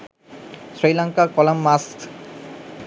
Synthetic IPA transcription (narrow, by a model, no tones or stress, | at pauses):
sɾilaŋkakɔlamːask